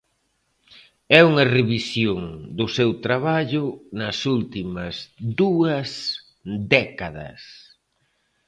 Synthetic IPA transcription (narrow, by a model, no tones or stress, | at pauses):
ɛuŋɐreβisjoŋd̪ʊsewt̪ɾaβaʎʊnɐsult̪imɐzd̪uɐs | d̪ɛkaðɐ̰s